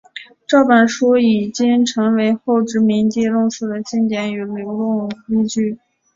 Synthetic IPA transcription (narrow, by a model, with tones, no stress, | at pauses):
ʈ͡ʂɑ˥˩ʊpa˨˩nʂɔ˥i˨˩t͡ɕi˥ŋʈ͡ʂʰɤ˧˥ŋwe˧˥ɪxo˥˩ʊʈ͡ʂɻ̩˧˥mi˧˥ŋt̪i˥˧lʊ˥˧ŋsɹ̩˥˩d̪ə˩t͡ɕi˥˩nt̪jɛ˧˥ny˨˩lu˧˥ʊlʊ˥˩ŋki˥ŋt͡ɕy˥˩